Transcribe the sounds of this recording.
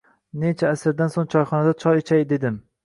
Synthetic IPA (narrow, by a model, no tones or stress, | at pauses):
ne̞t͡ʃʰaːsɪɾd̪ansoŋt͡ʃʰɒjχɒnad̪at͡ʃʰɒjɪt͡ʃʰajd̪e̞d̪ɪm